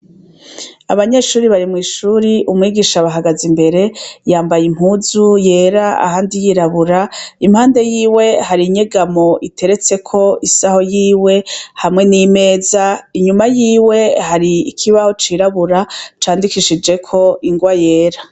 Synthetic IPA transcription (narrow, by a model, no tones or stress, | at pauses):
a̰βaɲeʃuːɾiβaɾimŋiːʃuːɾiʔumŋiːɡiːʃaβaɦaɡazimbe̞ɾe̞jaːmbajim̥huːzuje̞ːɾaa̰haːndijiɾaβuɾaim̥haːnde̞jiːwe̞haɾiɲeɡamo̞ʔitʰe̞ɾe̞t͡se̞kʰo̞isaho̞jiːwe̞hamŋenime̞ːzaiɲumajiːwe̞haɾiːkʰiβaho̞t͡ʃiɾaβuɾat͡ʃaːndikiʃid͡ʒe̞kʰo̞iŋɡwaje̞ːɾa